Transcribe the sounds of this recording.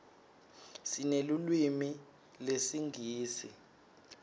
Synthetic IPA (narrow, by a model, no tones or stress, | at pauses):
sinelulwimi | lesiŋɡʱiːsḭ